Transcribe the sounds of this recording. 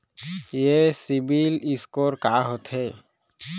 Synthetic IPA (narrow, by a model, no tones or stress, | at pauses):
jesibiliskɔɾkaɦɔt̪ʰe